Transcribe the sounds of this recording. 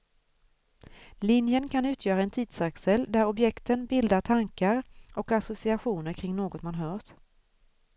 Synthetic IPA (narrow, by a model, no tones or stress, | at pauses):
lɪnjənkʰanʉ̟ːt̪ʰjœːɾaɛnt̪ʰiːd̪̥saksɛld̪æɾɔbjɛkt̪ənbɪld̪aʈʰaŋkaɾʔɔkasʊsɪaɧuːnəɾkʰɾɪŋnoːɡɔt̪manɦœːʂ